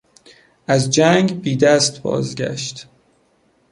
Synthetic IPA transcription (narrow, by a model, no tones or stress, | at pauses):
ʔæzd͡ʒæŋɡbiːd̪æst̪bɒ̰ːzɡæ̰ʃt̪